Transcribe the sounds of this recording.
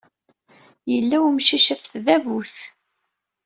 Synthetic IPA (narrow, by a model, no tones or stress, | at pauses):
jəlːæwmʃiʃəfθðævuθ